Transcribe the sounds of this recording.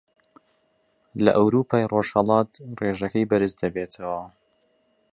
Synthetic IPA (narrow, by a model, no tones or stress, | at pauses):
lɐ̰ʔɐwɾuːpʰɑjroʒhɐlˠɑːt̪reːʒɐkɐjbɐɾɨsd̪ɐbeːt̪ʰɐwɐ